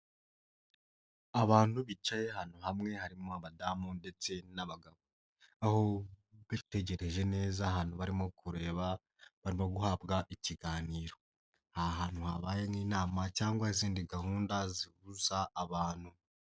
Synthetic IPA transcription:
aβaːn̥huβit͡ʃaje̞han̥uhamŋe̞haɾimoaβadamunde̞t͡se̞naβaɡaβo | aho̞βitu̥te̞ɟe̞ɾe̞ʒe̞ne̞ːzaːɦaːn̥huβaɾimo̞kʰuɾe̞ːβa | βaɾimo̞ɡuhabɡaʔiciɡaːniːɾo̞ | haɦaːn̥huhaβaːjemŋiːnaːmacaːŋɡwahiziːndiɡaɦuːndaziβuzaːβaːn̥hu

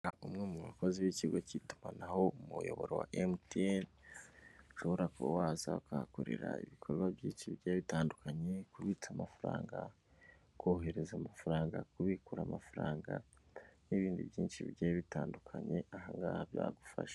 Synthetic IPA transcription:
aumŋemuβako̞ziβiciɾɡocitu̥manaho̞mujo̞βo̞ɾewa̰ʔemten | ʃo̞βoɾakowazakakoɾḛɾaiβikʰo̞ɾɡwaβjiːnʃiβiɾɟajaβitaːndukʰaɲe̞kuɾwit͡samafaɾa̰ːŋɡa | koːhe̞ɾe̞zamafaɾaːŋɡakuβikuɾamafaɾaːŋɡaniβiːndḭβjiːnʃiβiɾɟajaβitaːndukʰaɲe̞ahaŋɡa̰ːhaβja̰ːɡufa̰ʃḁ

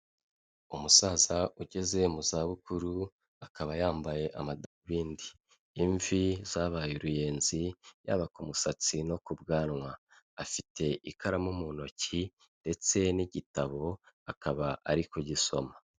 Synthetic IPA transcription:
umusaːzauɟe̞ze̞muzaːβukuɾu | akaβajaːmbaje̞ʔamadaβiːndiː | ɱvizaβajuɾuje̞ːnzija̰βakumusat͡sino̞kubɡaːnŋwaː | fitʰe̞ʔikʰaɾamumuno̞ci | nde̞t͡se̞niɟitaβo̞ | akaβaʔaɾikoɟiso̞̰ma

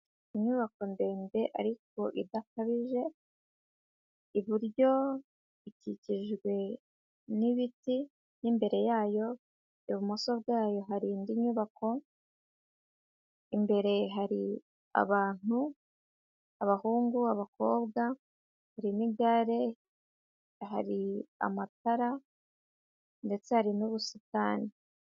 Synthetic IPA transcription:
iɲuβako̞nde̞ːnde̞ʔa̰ɾik̚o̞ʔḭdakaβiʒe̞ | iβiɾɟo̞ | iciciʒɡwe̞ | niβiti | nimbe̞ɾe̞jaːjo̞ | iβumoso̞βɡaːjo̞ɦaɾiːndiɲuːβako̞ | imbe̞ɾe̞ɦaɾi | a̰βaːn̥u | aβahuːŋɡuaβako̞̰ːβɡa | haɾimiɡaɾe̞ | ɦa̰ɾia̰mataɾa | nde̞t͡sehaɾinuβusitaːni

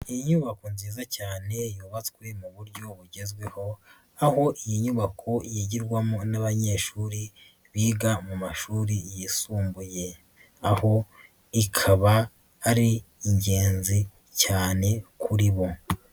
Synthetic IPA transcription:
ijiɲuβakonziːzacaːne̞juːβat͡swe̞muβuɾɟo̞βuɟe̞zɡwe̞ho̞ | aho̞ʔijiɲuβakʰo̞jiɟiɾɡwamonaβaɲe̞ːʃuːɾi | βiːɡamumaʃuːɾijisuːmbuje̞ | aho̞ | ikʰaβaː | ɾiːɲɟeːnzi | caːne̞kʰuɾiβo

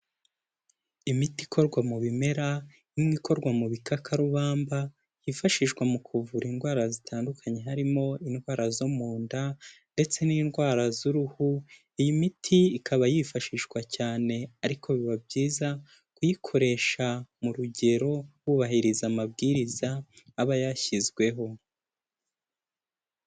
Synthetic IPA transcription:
imiti̥kʰo̞ɾɡwamuβime̞ɾa | nimŋiːko̞ɾɡwamuβikakʰaɾuβaːmba | jifaʃiʃɡwamukʰuvuɾinɡwaːɾazitʰaːndukʰaɲe̞ɦaɾimo̞inɡwaːɾazomuːndande̞t͡se̞niːnɡwaːɾazuɾuhu | ijimitʰiikʰaβajifaʃiʃɡwacaːne̞aɾikʰo̞βiβab̚ɟiːza | kujikʰo̞ɾe̞ːʃamuɾuɟe̞ɾo̞wuβaɦiɾizamab̚ɡiːɾizaːβajaçizɡwe̞ɦo̞

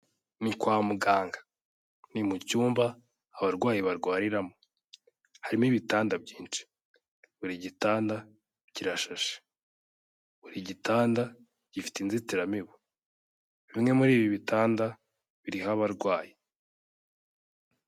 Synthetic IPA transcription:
nikwaːmuɡaːŋɡḁ | nimucuːmbaː | βaɾɡwaːjiβaɾɡwaːɾiɾamo | haɾimiβitaːndab̚ɟiːnt͡ʃi̥ | βuɾiɟitaːnda | ɟiɾaʃaʃḁ | βuɾiɟitaːnda | ɟ̥ifi̥tinzitiɾamiβu | βimŋe̞muɾiːβiβitʰaːnda | βiɾiɦaβaɾɡwaːji

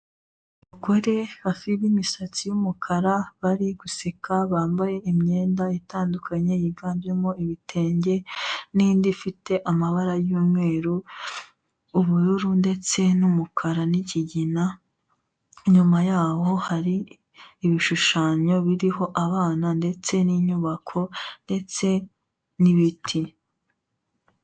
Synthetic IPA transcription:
βuɡo̞ɾeβafiβimisat͡sijumukʰaɾaβaɾiɡusekaβaːmbaje̞imɲe̞ːndaitaːndukʰaɲe̞jiɡaːmbje̞moiβitʰe̞ːɲɟe̞nindifite̞ʔamaβaɾajuːmŋe̞ːɾu | uβuɾuɾunde̞t͡se̞numukʰaɾaniciɟina | ɲumajaːho̞haɾiː | βiʃuʃaːɲo̞βiɾiho̞ʔaβaːnande̞t͡se̞niɲuβakʰo̞nde̞t͡se̞ | niβitʰi

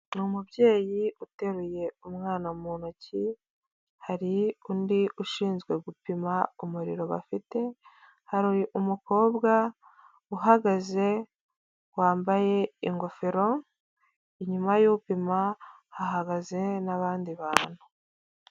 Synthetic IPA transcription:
numubɟe̞ːjiute̞ɾuje̞umŋaːnamuːnoci | haɾiundiʔuʃiːnzɡwe̞ɡupimaumuɾḭɾo̞βa̰fite̞ | haɾujiʔumuko̞ːbɡa | uɦaɡaze̞ | waːmbaje̞iŋɡo̞feɾo̞ | iɲumajupima | haɦaɡaze̞naβaːndiβaːn̥hu

